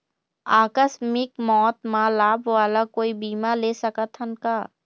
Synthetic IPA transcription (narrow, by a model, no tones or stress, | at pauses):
aːkəsmɪkmɔːt̪mãlaːbʋaːlakoːibiːmaleːsɐkət̪ʰɦənkaː